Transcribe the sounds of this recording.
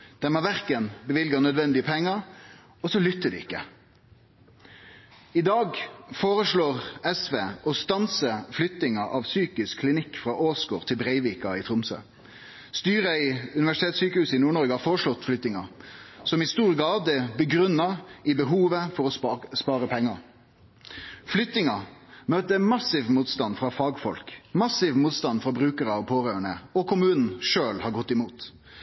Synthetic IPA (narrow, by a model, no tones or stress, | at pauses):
d̪̥ɛmɛʋæʁkənbəʋɪlɡənœd̪ʋɛnd̪ɪəpʰɛŋːəɾ | ɔsɔlʏt̪ːəd̪ɪ̰ɪkːə | ɪd̪ɑːɡfoːʁəʂɭoːʁɛsʋeːʔɔst̪ɑnsəflʏt̪nɪŋəʔɑ̰ʋsyːkɪskʰːlɪnɪkːfʁɑʔoːsɡo̰ːʁt̪ʰɪlbʁeɪʋiːkɑɪt̪ʰʁʊmsø̰ː | st̪yːʁəɪʉnɪʋæʂɪt̪ʰeːt̪syːkəhʉːsɪnuːɳɔɾɡəhɑːfɔɾəʂlɔt̪ːflʏt̪nɪŋɑsɔmɪst̪uːɾɡɑːd̪əbəɡɾʉnːɑɪbəɦuːʋəfɔɾɔspɑːɾəpʰɛŋːɑ | flʏt̪ːɪŋɑmøːt̪əmɑsɪʋmuːt̪st̪ɑnfʁɑfɑːɡfɔlkmɑsɪʋmuːt̪st̪ɑnfʁɑbɾʉːkəɾəɑʋpʰoːɾøːəɳəɔkʰʊmʉːnn̩ʂøːlhɑɾɡɔt̪ːɪmuːt̪